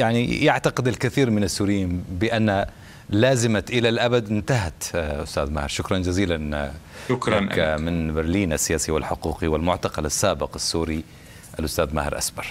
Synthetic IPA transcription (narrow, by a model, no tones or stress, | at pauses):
jaʕnḭjaʕt̪aqɪd̪alkɪθiːɾmɪnasːuːɾɪjiːnbɪʔanːa | laːzɪmaʔɪlalʔabad̪ʔɪnt̪aɦat̪ʔʊst̪aːðma̰hɪɾʃʊkɾˤɑnd͡ʒaziːlanʃʊkɾkːamɪnbɪɾliːnʔasːɪjaːsiwɪlħʊquːqiwɪlmʊʕt̪ɑqɑlasːaːbɪqasːuːɾi | ʔalʔʊst̪aːðma̰hɪɾʔa̰sbɑɾˤ